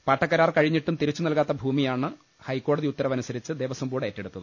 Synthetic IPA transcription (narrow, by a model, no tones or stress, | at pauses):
paːʈːɐkːɐɾaːrkɐɻiɲːiʈːumt̪iɾit͡ɕːunɐlkaːt̪ːɐbʱuːmijaːɳɨ | hɐjkːo̞ːɽɐðiut̪ːɐɾɐmɐnusɐɾit͡ɕːɨd̪eːʋɐsɐmbuːɽeetːe̞ɽut̪ːɐðɨ